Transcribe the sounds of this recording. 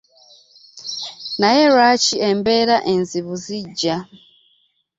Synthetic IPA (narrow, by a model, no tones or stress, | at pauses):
najeɾaciembeɾaʔenziβuziɟːa